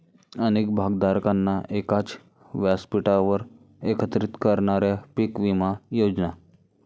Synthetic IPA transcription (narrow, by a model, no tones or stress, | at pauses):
ənek̚bʱaɡd̪aɾkanːaʔekat͡s | ʋjaspiʈaʋəɾ | ekət̪ɾit̪kəɾɳaɾjapikʋimajod͡ʒna